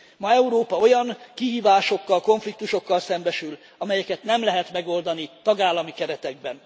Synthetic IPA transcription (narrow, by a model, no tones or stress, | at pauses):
mɒɛuɾoːpɒo̞jɒŋkiɦiːvaːʃo̞kːɒlko̞ɱflik̚t̪uʃo̞kːɒlsɛmbɛʃyl | ɒmɛjɛkɛt̪nɛmlɛɦɛt̪mɛɡo̞ld̪ɒnit̪ɒɡaːlːɒmikɛɾɛt̪ɛɡbɛn